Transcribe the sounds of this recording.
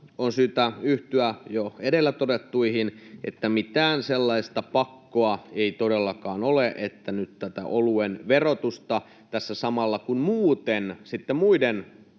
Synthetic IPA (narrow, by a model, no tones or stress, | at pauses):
onsyːt̪æyht̪yæjoedelːæt̪otet̪ːuihinʔḛt̪ːæmit̪æːnselːɑist̪ɑpɑkːoɑeit̪odelːɑkɑːnoleʔet̪ːænyt̪t̪æt̪æ̰ʔoluenʋerot̪ust̪ɑ | t̪æsːæsɑmɑlːɑkunmuːt̪ensit̪ːemmuiden